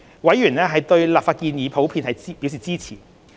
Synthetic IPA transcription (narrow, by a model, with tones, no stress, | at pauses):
wɐ˨˥jyː˨˩nɛː˥ɦɐ˨jt̪ɵ˧ɥlaː˨pfaː˧t̚kiː˧njiː˨˧pʰo˨˥wpʰiː˧nhɐ˨jpi˨˥wsiː˨t͡siː˥t͡sʰiː˨˩